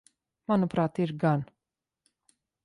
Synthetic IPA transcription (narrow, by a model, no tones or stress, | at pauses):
manupɾaːt̪iɾɡan